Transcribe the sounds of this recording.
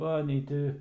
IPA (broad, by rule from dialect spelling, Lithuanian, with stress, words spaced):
ˈʋɐ nʲɛɪ ˈtʲɪ